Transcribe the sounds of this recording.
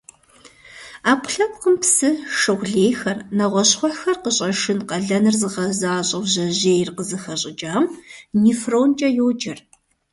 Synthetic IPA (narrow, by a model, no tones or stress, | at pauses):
aːkʷʰʼɬɐp̚qəmpsɨʂɨʁʷɮeːjxɐrnɐʁʷɔɕχʷɔxɐrqəɕʼɐʃɨnqɐɮɐnɨrzɨʁɐzaːɕʼɐwʑɐʑeːjrqəzɨxɐɕʼɪd͡ʒʼaːmmiːfroːnt͡ʃʼɐjoːd͡ʒɐr